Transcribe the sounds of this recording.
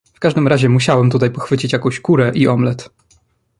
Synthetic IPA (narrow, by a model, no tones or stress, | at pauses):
fkaʐd̪ɘmɾaʑɛmuɕawɛmt̪ut̪ajpɔxfɘt͡ɕit͡ɕjakɔ̃w̃ɕkuɾɛʔiʔɔmlɛt̪